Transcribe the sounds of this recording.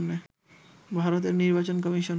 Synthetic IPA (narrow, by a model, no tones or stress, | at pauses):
nːe | bʱaɾot̪̬eɾniɾbat͡ɕonk̬ɔmiʃon